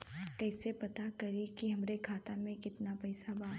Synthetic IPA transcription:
kɛːsepɐt̪akɐɾikiɦɐmɾekʰaːt̪amẽkɪt̪napɛːsabaː

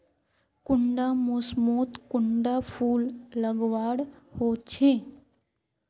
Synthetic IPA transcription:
kʊɳɖamʊsmoːt̪kʊɳɖapʰuːlːəɡʋaːɽhoːt͡ʃʰeː

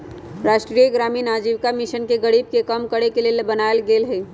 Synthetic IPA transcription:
ɾaːʃʈɾijəɡɾaːminaːd͡ʒiʋkamiʃənkeɡəɽib̚kekəmkəɽekelelbənaːelɡeːlɦeː

